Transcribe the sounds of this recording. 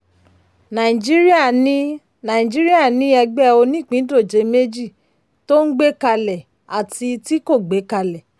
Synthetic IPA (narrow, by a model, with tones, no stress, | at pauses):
nã˨ĩ˨d͡ʒi˦ɾi˦a˦˨ĩ˦ | nã˨ĩ˨d͡ʒi˦ɾi˦a˦˨nĩ˧˦ɛ˧ɡ͡bɛ˦o˧nĩ˦˨k͡pĩ˨˦do˦˨d͡ʒe˨˧˦me˦d͡ʒi˦˨ | to˦n̩˦ɡ͡be˦ka˧lɛ˨ | a˨ti˧ti˦ko˦˨ɡ͡be˨˦ka˧lɛ˨